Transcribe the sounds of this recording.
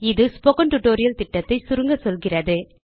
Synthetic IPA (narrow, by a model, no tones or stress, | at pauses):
ɪðɯspɔkɐɳʈʊʈːoːɾɪjɐlt̪ɪʈːɐt̪ːɐɪsʊɾɯŋɡɐsɔlɣɪrɐðɯ